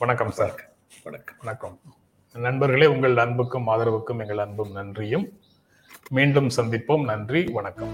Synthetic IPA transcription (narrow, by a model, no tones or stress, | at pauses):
ʋɐɳɐkːɐmsaːɾ | ʋɐɐʋɐnɐkːɐm | nɐɳbɐɾɣɐɭeːʊŋɡɐɭnɐnbɯkːɯmːaːðɪɾɐʋɯkːɯmɛŋɡɐɭɐnbɯmnɐndrɪjɯmː | iːɳɖɯmsɐnd̪ɪpːoːmnɐndriʋɐɳɐkːɐm